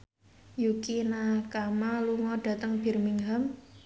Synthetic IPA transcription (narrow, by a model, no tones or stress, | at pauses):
jukinakamaluŋɔɖ̥ä̤t̪əŋb̥i̤rmiŋɦam